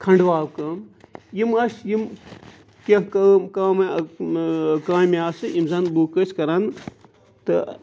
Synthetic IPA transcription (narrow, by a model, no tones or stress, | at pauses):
kʰɐɳɖʋaːwkɐmjimɐsjim | kɐ̃kɐmkaːmɐ | kãːjmiaːsɨimzɐnbuːkɐsʲkɐɾɐn | t̪ɨ̰